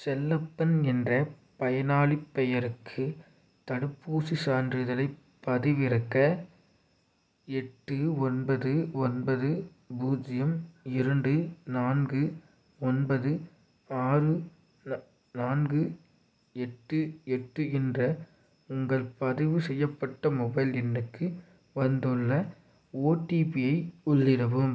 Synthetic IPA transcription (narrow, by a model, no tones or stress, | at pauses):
sɛlːɐpːɐnɛndrɐ | pɐjɐnaːɭɪpːɛjɐɾɯkʰːɯ | t̪ɐɽɯpːuːsisaːndrɪðɐlɐɪ | pːɐðɪʋɪɾɐkːɐ | ɛʈːɯɔnbɐðɯɔnbɐðɯ | buːd͡ʒɪjɐmɪɾɐɳɖɯnaːnɡɯ | ɔnbɐðɯ | aːrɯ | naːnɡɯ | ɛʈːɯɛʈːɯɛndrɐ | ʊŋɡɐɭpɐðɪʋɯsɛjːɐpːɐʈːɐmɔbɐɪlɛnːɯkːɯ | ʋɐnd̪ɯɭːɐ | oːʈipɪjɐɪʊɭːɪɾɐʋɯm